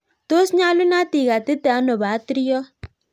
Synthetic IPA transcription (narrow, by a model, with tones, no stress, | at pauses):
t̪o˦sɲa˦lu˦na˦t̪i˨ɡa˨t̪ɪ˦t̪ɛ˨a˨˦nɔ˨ba˨˦t̪ɾi˦jɔ˦